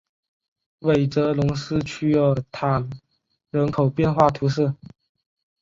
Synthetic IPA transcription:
we˨˩ɪʈ͡ʂɤ˧˥lʊ˧˥ŋsɹ̩˥t͡ɕʰy˥ɔ˥˧˩t̪ʰa˨˩n | ɻə˧˥nkʰo˨˩ʊpjɛ˥˧nxwa˥˩t̪ʰu˧˥ʂɻ̩˥˩

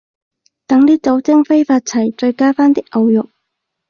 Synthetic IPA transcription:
t̪ɐ˨˥ŋliː˥t͡sɐ˨˥wt͡sɪ˥ŋfe˥jfaː˧t̚t͡sʰɐ˨˩jt͡ʃɵ˧ɥkaː˥faː˥nt̪ɪ˥k̚ʔɐ˧wjʊ˨k̚

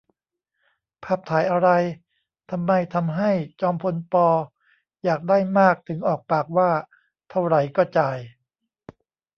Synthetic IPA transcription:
pʰaː˥˩p̚t̪ʰaː˩˦jʔa˧ɾa˧j | t̪ʰa˧mːa˧jt̪ʰa˧mɦa˥˩jt͡ɕɔː˧mpʰo˧npɔː˧ | jaː˨˩k̚daː˥˩jmaː˥˩k̚t̪ʰɯ˩˦ŋʔɔː˨˩k̚paː˨˩k̚waː˥˩ | t̪ʰa˥˩wɾa˧˩jkɔː˥˩t͡ɕaː˧j

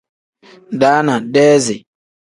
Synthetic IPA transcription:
daː˨˦na˨dɛː˦zɪ˨

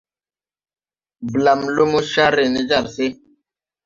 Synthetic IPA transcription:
bla˨mlo˦mo˦ʃa˦ɾe˨ni˦d͡ʒa˦˨ɾse˦

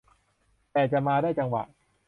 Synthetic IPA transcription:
t̪ɛː˨˩t͡ɕa˨˩ʔmaː˧daː˥˩jt͡ɕa˧ŋwa̰˨˩ʔ

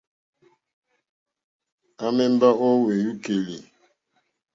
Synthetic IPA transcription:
a˦mɛ˦m˦ba˦ʔɔ˦we˨ju˦ke˨li˨

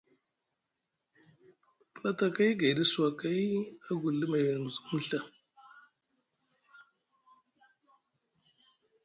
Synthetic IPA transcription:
la˦ta˨ka˦jɡa˨di˦su˦wa˨ka˦ja˦ɡu˨lːə˦ma˨ja˨n˨mu˨zmə˦ɬa˦

